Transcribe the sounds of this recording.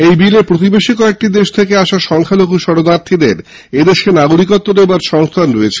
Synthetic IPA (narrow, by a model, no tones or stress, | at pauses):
ejbileɾpɾot̪̬ibeʃikɔek̚ʈid̪eʃt̪ʰekeaʃaʃɔŋkʰalokuʃɔɾod̪aɾt̪ʰid̪eɾ | ed̪eʃenaɡoɾikot̪ːonebaɾʃɔŋst̪ʰanɾoet͡ɕʰe̥